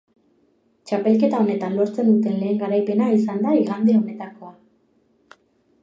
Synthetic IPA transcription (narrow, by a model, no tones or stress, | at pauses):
t͡ʃape̞lke̞t̪ao̞ne̞t̪anloɾt͡se̞nd̪ut̪e̞nle̞ːŋɡaɾajpe̞naisand̪aiɣand̪eo̞ne̞t̪ako̞a